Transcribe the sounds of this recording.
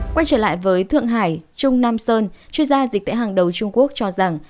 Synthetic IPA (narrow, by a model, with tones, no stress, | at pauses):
kwa˧jt͡ɕəː˧˩la̰ː˧˨jvəː˨˦jt̪ʰɨ̰˧˨əŋɦaː˧˩jt͡ɕʊ˧ŋ͡mnaː˧msəː˧nt͡ɕwi˧ənzaː˧zi˨˩k̟̚t̪ḛ˧˥ɦaː˨˩ŋɗə˨˩wt͡ɕʊ˧ŋ͡mku˦˥ək̚t͡ɕɔ˧za˨˩ŋ